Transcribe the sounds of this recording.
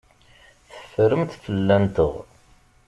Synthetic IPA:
θə̥fɾəmt̪fəlːænt̪əʁ

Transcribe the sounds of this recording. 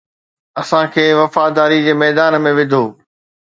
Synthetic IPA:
ɐsãkʰeːʋɐfaːd̪aːɾid͡ʑeːmɛːd̪aːnmẽʋɪd̪ʱoː

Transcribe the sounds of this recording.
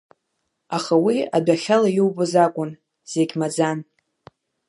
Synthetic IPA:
aχawiadʷaχʲalajiwbɨzakʷʼʊn | z̥eɡʲmad͡zan

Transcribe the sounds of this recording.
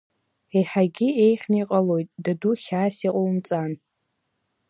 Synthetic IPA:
ejħaɡʲɪejχʲniqʼalo̞jtʼdaduχʲaːsiqʼowmt͡sʼan

